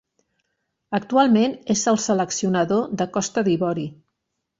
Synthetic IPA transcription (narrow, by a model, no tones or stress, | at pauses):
ək̚t̪ualˠmenezəlˠsələksiunəðoðəkɔst̪əðiβɔɾi